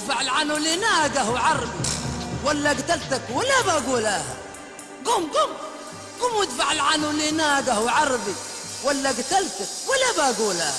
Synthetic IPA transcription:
ɪfaʕɪlʕanulinaːɡahʕɑɾˤbiwalːaɡat̪alt̪akwɪlːabaːɡuːlaːha̰ | ɡʊmɡʊm | ɡʊmwɪd̪faʕɪlʕanulinaːɡahwʕɑɾˤbi | walːaɡt̪alt̪akwɪlːabaːɡuːla̰ːha

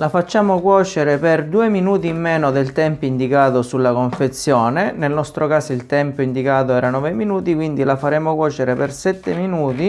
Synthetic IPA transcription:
lafat͡ʃːaːmokwɔːt͡ʃeɾeperd̪uːeminuːt̪imːɛːnod̪elt̪ɛmpoind̪ikaːt̪osulːakoɱfet̪sːjɔːnenelnɔst̪ɾʔokaːsilt̪ɛmpoind̪ikaːt̪̬oɛːɾanɔːveminuːt̪ikwind̪ilafaɾɛːmokwɔːt͡ʃeɾepersɛt̪ːeminuːt̪i

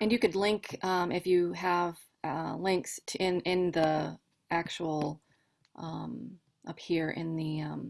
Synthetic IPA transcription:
ɨ̃njɨkɨdˡlɪ̃ŋkʰʌ̃mʔɪfjɨəv̥ | lɪ̃ŋkstʰɪ̃nɪ̃nði | ʔæk̚t͡ʃul̩ˠ | ʔʌ̃m | ʔʌphiɹʔɪ̰̃nðiʌ̃m

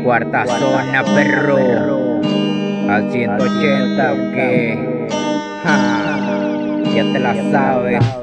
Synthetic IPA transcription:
kwaɾt̪asonapeɾo | asjent̪oot͡ʃent̪auke | ha | sjent̪elasaβe

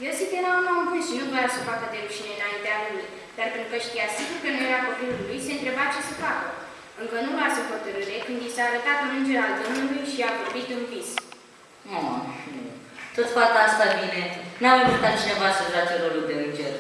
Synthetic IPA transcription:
je̞wsit̪eɾanuamvisʃinuvojasəfakəd̪eɾuʃine̞ɨnaint̪ealuluj | d̪̥arpent̪ɾukəʃt̪ijasiɡurkənujeɾapopilullujse̞ɨnt̪ɾe̞bat͡ʃe̞sefakə | ɨŋkənuvasəfot̪əɾɨɾe̞kɨnd̪isaːɾət̪at̪ɨnɨnd͡ʒe̞ɾald̪omulujʃiapobit̪unvis | oa̰mit̪ot̪fakəast̪abinenaməzit̪ait͡ʃd̪evasəʒat͡ʃeɾoluld̪eɨnd͡ʒe̞rʲ

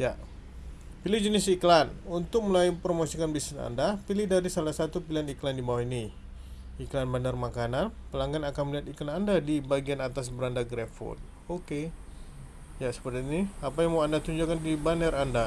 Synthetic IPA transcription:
ja | pilɪhd͡ʒənɪsiklanunt̪ʊk̚məlaipɾomosikanbisɛna̰ndapilɪhdaɾisalahsat̪upilaniklandibawahini | iklanbanərmakananpəlaŋɡanakanməliɦat̪iklanandadibaɡianat̪as̬bəɾandaɡɾɛfɔ̰t̪ | oke | jasə̥pərt̪iniapajaŋmaandat̪uɲd͡ʒuakandibanəranda

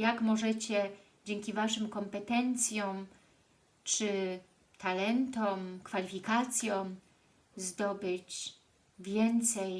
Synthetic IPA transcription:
jakmɔʐɛt͡ɕɛ | d͡ʑɛŋkʲivaʂɘmkɔmpɛt̪ɛnt̪sʲjɔ̃m | t͡ʂɘ | t̪ʰalɛnt̪ɔmkfalʲifʲikat̪sʲjɔ̃m | zd̪ɔbɘt͡ɕ | vʲjɛnt̪sɛj

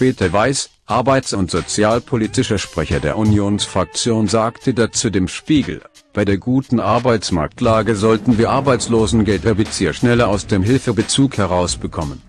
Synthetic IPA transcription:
pɛːtʰɐvaɪs | ʔaɐbaɪt͡sʊntz̥ot͡sjaːlpʰolitɪʃɐʃpʁ̥ɛçɐdḛːɐʔunjoːnsfʁ̥ak̚t͡sjoːnzaːktʰədat͡suːdeːmʃpiːɡl̩ | b̥aɪdeːɐɡuːtn̩ʔaɐbaɪt͡sma̰ɐk̚tʰlaːɡəzɔltn̩viːɐʔaɐbaɪt͡sloːzn̩ɡɛltɛɐbɪt͡siːɐʃnɛlɐaʊsd̥eːmɦɪlfəbət͡suːkhɛʁ̞aʊsb̥əkʰɔmən

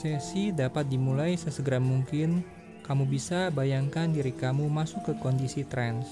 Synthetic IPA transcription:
sɛsidapat̪̚dimulaisəsəɡəɾamuŋkɪn | kamubisabajaŋkandiɾikamumasʊkːəkɔndisit̪ɾɛns

